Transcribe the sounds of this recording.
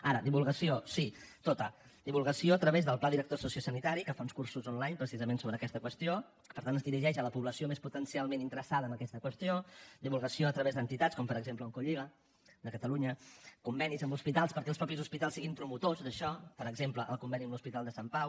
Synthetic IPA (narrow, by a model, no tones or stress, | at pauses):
aɾəd̪iβulˠɣəsiosit̪ot̪əd̪iβulˠɣəsioət̪ɾəβezðəlˠplaðiɾək̚t̪osusiosənit̪aɾikəfaunskursuzɔnlajɲpɾəsizəmensoβɾəːkɛst̪əkwəst̪io | pəɾt̪anəzðiɾiʒɛʃələpuβləsiomesput̪ənsialˠmenint̪əɾəsaðəːmbəkɛst̪əkwəst̪jod̪iβulˠɣəsioət̪ɾəβezðd̪ənt̪it̪at͡skɔmpəɾəɡzempləuŋkuʎiɣə | d̪əkət̪əluɲəkumbɛnizəmbuspit̪alˠspəɾkɛlˠspɾɔpizuspit̪alˠsiɣimpɾumut̪ozd̪əʃɔpəɾəɡzempləʔə̰lˠkumbɛniəmluspit̪alˠd̪əsampaw